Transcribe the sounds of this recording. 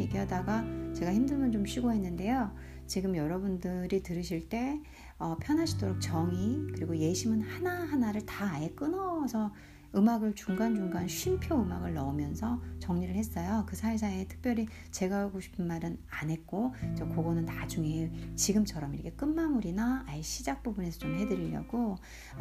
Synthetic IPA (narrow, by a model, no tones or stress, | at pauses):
ik͈eɦadaɡat͡ɕe̞ɡaçimdɯɭmjʌnd͡ʑomɕʰiɡoɦe̞nːɯnde̞jo | t͡ɕiɡɯmjʌɾʌbundɯɾitɯɾɯɕʰiɭt͈e̞ | ʌpʰjʌnɦaɕʰi̥doɾok̚t͡ɕʌŋikɯɾiɡoje̞ɕʰimɯnhanaɦanaɾɯɭtaːjek͈ɯnʌsʰʌ | ɯmaɡɯɭt͡ɕuŋɡand͡ʑuŋɡanɕʰɥimpʰjoɯmaɡɯɭnʌumjʌnsʰʌt͡ɕʌŋɲiɾɯɭhe̞s͈ʌjokɯsʰaes̬ʰaetʰɯ̥k̚p͈jʌɾi | t͡ɕe̞ɡaaɡoɕʰi̥pʰɯnmaɾɯnanɦe̞t̚k͈ot͡ɕʌkoɡʌnɯntad͡ʑuŋet͡ɕiɡɯmt͡ɕʰʌɾʌmiɾʌkʰe̞k͈ɯnmamuɾinaaeɕ͈ʰid͡ʑak̚p͈ubune̞sʰʌt͡ɕomɦe̞dɯɾiʎːʌ̰ɡo